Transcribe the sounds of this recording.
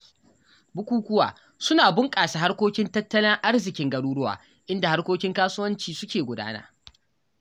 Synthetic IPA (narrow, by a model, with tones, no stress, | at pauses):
bʊ˦kʷuː˦kʷʊ˦wa̰ː˨ | sʊ˦naː˨bʊ˦ŋkʼaː˨sa˨ɦa˦rkʷoː˦kʲɪ˦ntɐ˦tːɐ˦lɪ˦ŋʔa˦rzɪ˨kʲɪ˨˦ŋɡɐ˦ɽuː˦ɽʊ˦wa̰ː˨ | ʔɪ˦nda˨ha˦rkʷoː˦kʲɪ˦ŋkaː˦sʊ˦wɐ˦nt͡ʃiː˨sʊ˦kʲeː˨ɡʷʊ˦da̰ː˦na̰˦